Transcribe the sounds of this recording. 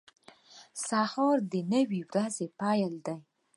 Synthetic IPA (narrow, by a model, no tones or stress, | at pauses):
sɑhɑɾd̪ənəwiwɾazepɑjəld̪aj